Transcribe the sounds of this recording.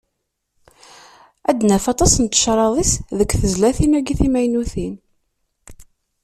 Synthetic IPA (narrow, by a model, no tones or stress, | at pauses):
æd̪næfɑt̪ˤɑsənt̪ːə̥ʃɾˤɑðˤisðəkʷːθəzlæθinæɡiθimæjnuθin